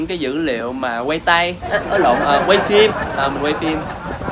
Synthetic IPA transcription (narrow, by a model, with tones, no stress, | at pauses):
ŋkaː˨˦jzɨ̰˧˥lḭ˧˨əwmaː˨˩wa˧jt̪a˧jʔəː˨˦ɗə̰˧˨ŋ͡mʔəː˨˩we˧jfi˧mʔəː˨˩mwe˧jfi˧m